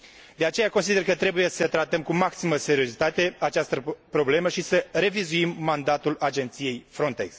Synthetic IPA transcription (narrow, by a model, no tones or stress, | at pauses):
d̪eat͡ʃe̞jakons̬id̪e̞rkət̪ɾe̞buje̞sət̪ɾat̪əmkumaksiməse̞ɾio̞zit̪at̪e̞at͡ʃast̪əpɾo̞ble̞məʃisəɾe̞vizuimːand̪at̪ulad͡ʒe̞nt̪sije̞jfɾo̞nt̪e̞̰ks